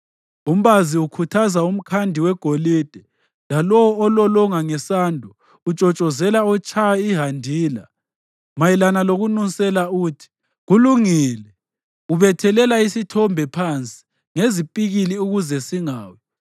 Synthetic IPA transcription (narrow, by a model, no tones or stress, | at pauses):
um̩βaziukʰutʰazaum̩kʰandʱiwɛɡ̥ʱoliːd̥ʱɛ | lalɔwɔːlɔlɔŋaŋɛsaːndʱu | ut͡ʃʼɔt͡ʃʼɔzɛlaɔt͡ʃʼʰajaiɦandʱiːla̰ | majilanaloɣunusʼɛlauːtʰi̥ | ɣuluŋiːlɛ | uβɛtʰɛlɛlaisitʰɔmbʱɛpʰant͡sʼi̥ | ŋezipʼiɣiliuɣuzɛsiŋaːwɛ